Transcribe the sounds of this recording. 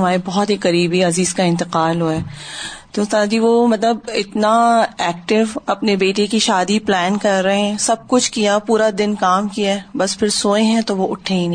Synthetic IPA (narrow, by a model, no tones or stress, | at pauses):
ɐmaːɾebɔɦɔt̪ɦiqɐɾiːbiɐziːzkaɪ̃nt̪ɪqaːlɦoɛːt̪oːst̪ãd͡ʒiʋomɐt̪ləbɪt̪naɛːk̚ʈɪʋɐpnebeːʈekiʃaːd̪iplɛːnkɐɾːɐɦɦɛ̃sɐb̚kʊt͡ʃʰkijapuːɾad̪ɪnkaːmkiaːbɐspʰɪɾsoːẽɦɛ̃t̪oʋoʊʈʰːẽɦĩñ